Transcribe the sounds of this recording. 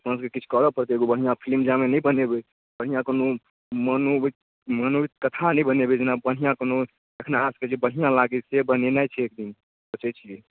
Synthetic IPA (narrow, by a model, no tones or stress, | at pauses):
pə̃nskekit͡ʃʰkəɾɔpəɾt̪eɡobəɽ̤ijãpʰilmd͡ʒamenəjbənebe | bəɽ̤ijãkono | məno | mənoit̪kət̪ʰanəjbənebed͡ʒenabəɽ̤ijãkono | ekʰnaasked͡ʒebəɦijãlaɡisebənenajt͡ʃʰɛek̚d̪in | bət͡ʃɛt͡ʃʰie